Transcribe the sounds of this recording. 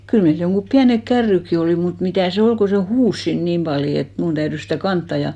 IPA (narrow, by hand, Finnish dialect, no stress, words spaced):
kyl meil joŋɡ̊up piænek kærːykːi oliˑ mut mitæˑ se ol ko se huːs siːn niːm pɑljo et mun tæyrys sitæˑ kɑntːɑ jɑ